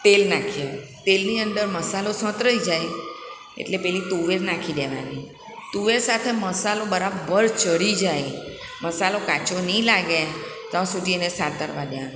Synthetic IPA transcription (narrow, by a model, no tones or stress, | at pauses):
t̪elnakʰiet̪elniənd̪əɾməsalosə̃t̪ɾəid͡ʒaj | ḛʈlepɛɦlit̪uʋeɾnakʰid̪eʋa̰ni | t̪uʋeɾsat̪ʰeməsalobəɾabəɾt͡ʃəɾid͡ʒaj | məsalokat͡ʃonilaɡet̪ə̃sud̪ʱiənesaɾt̪ə̰ɾʋad̪eʋan